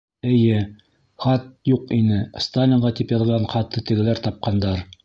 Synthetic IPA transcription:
ɘ̆jɘ | χɑt̪̚juqinɘst̪alʲɪɴʁɑt̪ipjɑðʁɑɴχɑt̪ːɤt̪ɘ̆ɡɘ̆læɾt̪ɑp̚qɑnd̪ɑɾ

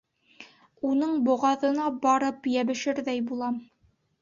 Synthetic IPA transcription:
unɤɴbŏʁɑðɤ̆nɑbɒɾɤpjæβɘ̆ʃɘɾðæjbulˠɑm

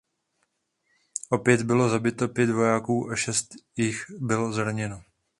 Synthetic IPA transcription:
ʔo̞pjɛd̪bɪlo̞zabɪt̪o̞pjɛd̪vo̞jaːkuːʔaʃɛst̪jɪxbɪlo̞zɾaɲɛno

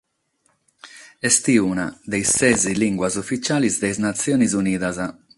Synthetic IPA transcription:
ɛst̪iuna̰d̪ejsːɛziliŋɡwazofːit͡ʃaːlizd̪ejznat̪sːjɔːnizuniːðaza

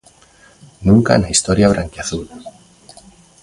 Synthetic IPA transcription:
nũŋka̰naist̪oɾjaβɾʔaŋkjaθul

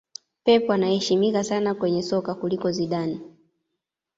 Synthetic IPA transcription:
pɛpɔanahɛʃimikasanakwɛɲɛsɔkakulikɔziɗani

